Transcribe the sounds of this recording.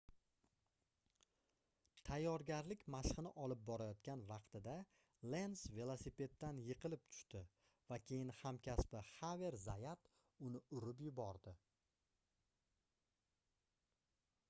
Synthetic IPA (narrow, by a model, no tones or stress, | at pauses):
t̪ʰajːɒɾɡʲaɾlɪkʲmaʃχɨnɪʔɒlɪp̚bɒɾajɒt̪̚kʲanvɑqt̪ɪd̪a | le̞nsve̞lˠosipe̞t̪ːanjɨqʰɨlɪp̚t̪ʰʊ̥ʃt̪ɪ | vakʲʰe̞jɪnhamkʲaspɪhave̞ɾzajat̪ | ʊnɪʊɾʊp̬jʊbɒɾd̪ɪ